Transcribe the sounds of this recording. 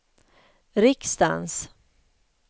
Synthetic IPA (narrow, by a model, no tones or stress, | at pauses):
ɾɪkst̪a̰ns